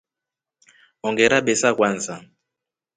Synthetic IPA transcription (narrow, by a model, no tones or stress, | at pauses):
ɔŋɡɛɾaɓɛsakwansa